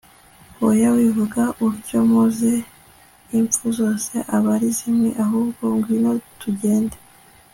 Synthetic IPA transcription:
wojawivuɡaʔuɾɟomuze | iɱp͡fuzo̞ːse̞ʔaβaɾizimŋḛʔaɦuːbɡo̞ŋɡwino̞tuɟe̞ːnde

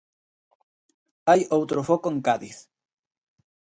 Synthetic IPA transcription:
ajowt̪ɾofɔkoeŋkaðḭθ

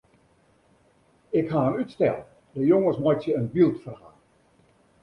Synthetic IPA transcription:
ɪkhaənytstɛlˠ | dəjoŋəsmɔjtjəənbilˠtfərha̰ː

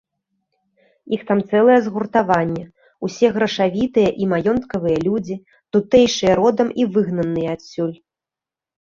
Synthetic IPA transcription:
ixt̪amt̪sɛlˠɐjɛzɣurt̪avanʲːɛ | usʲɛɣɾɐʂavʲit̪ɨjɐʔimajɔnt̪kɐvɨjɐlʲud͡zʲi | t̪ut̪ɛjʂɨjɐɾɔd̪ɐmivɨɣnɐnːɨjɐasʲːulʲ

